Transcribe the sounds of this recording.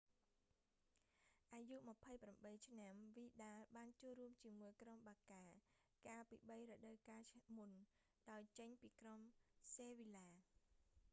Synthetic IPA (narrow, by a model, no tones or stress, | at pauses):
ʔaːjuʔməpʰəjpramɓəjt͡ɕʰnamʋiːɗaːlɓaːnt͡ɕoːəlruəmt͡ɕiəmuəjkromɓaːkaː | kaːlpḭːɓəjrəɗəwkaːmun | ɗaɔjt͡ɕəɲpiːkromseːʋilaː